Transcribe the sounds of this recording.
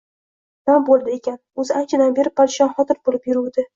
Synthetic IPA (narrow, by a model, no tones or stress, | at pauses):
nɒmbolˠd̪ɪe̞kʲanɵzɪant͡ʃʰad̪anbe̞ɾɪpʰːaɾɪʃɒnχɒt̪ɪɾbolɪpjʊɾuwd̪ɪ